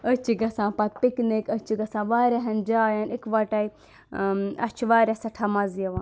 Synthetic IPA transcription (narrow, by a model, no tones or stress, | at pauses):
ət͡ʃiɡɐsãːpɐt̪̚piknekət͡ʃiɡɐsãʋaːɾaɦɐnd͡ʒaːjaːnikʋaːʈai | ɐ̰t͡ʃʰʋaːɾasɐʈʰaːmazijɐʋaːn